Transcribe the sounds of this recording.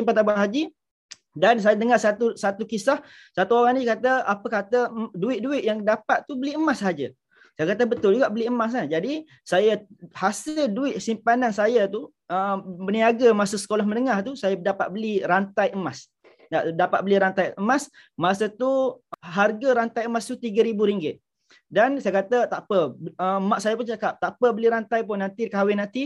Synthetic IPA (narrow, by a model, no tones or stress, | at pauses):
impat̪abaɦad͡ʒi | dans̬ajadəŋasat̪usat̪ukisah | sat̪uoɾaŋnikat̪əapəkat̪əduɪʔ̪̚duɪtʔ̪̚jaŋdapat̪t̪ubəliəmasɦad͡ʒə | sajakat̪abət̪ʊld͡ʒuɡaʔbəliəmas̬nad͡ʒadi | sajahasɪlduɪʔ̪̚simpanansajat̪u | əbəniaɡamasasə̥kolahmə̃nəŋaht̪usajadapaʔ̪̚bəliɾant̪ajəmas | naʔdapat̪̚bəliɾant̪ajʔəmas | masat̪uɦarɡaɾant̪ajəmast̪ut̪iɡaɾibuɾiŋɡɪt̪̚ | dansajakat̪ət̪apəbəəmaʔsajap̬ʊnt͡ʃakap̚t̪aʔpəbəliɾant̪ajp̬ʊnːant̪ikawɪnant̪i